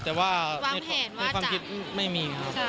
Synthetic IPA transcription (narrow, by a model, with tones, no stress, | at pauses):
t̪ɛː˨˩waː˥˩na˧˩na˧jkwaː˧mkʰi˦˥t̪̚ma˥˩jmiː˧kʰa˦˥p